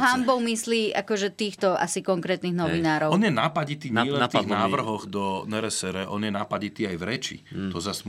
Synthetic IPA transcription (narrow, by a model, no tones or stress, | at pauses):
ɦambɔʊmisliːʔa̰kɔʒɛt̪iːxt̪ɔʔa̰sikɔŋkɾɛːt̪niːɣnɔʋinaːɾɔʊɔnjɛnapaɟit̪iːɲɛlɛnt̪iɣnaːʋr̩ɦɔɣd̪ɔnɛɾɛsɛɾɛʔɔnjɛnapaɟit̪iːajvɾɛt͡ʃḭt̪ɔzas